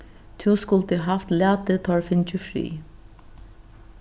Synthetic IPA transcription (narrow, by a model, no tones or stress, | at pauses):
t̪ʰuskʊlt̪əɦaft̪læːt̪ət̪ʰɔɹfɪnt͡ʃəfɾḭː